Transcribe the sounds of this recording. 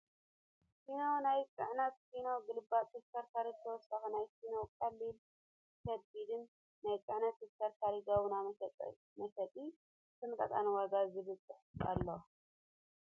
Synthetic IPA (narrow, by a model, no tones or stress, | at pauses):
sinonajt͡sʼɨʕnɐt̪sinoɡɨlɨbːat̪ʰɨft̪ʰɐɾt̪ʰaɾit̪ʰɐwɔsɐxnajsinokʼɐlːil | kʰɐd̪̚bid̪ɨn | najt͡sʼɨʕnɐt̪ːɨft̪ʰɐɾt̪ʰaɾiɡaβunam̰ʼ | mɐʃɐt̪ʼi | t̪ʰɨmk̪ʼɐt̪ʼanwaɡazɨβɨt͡sʼːɨħa̰lːo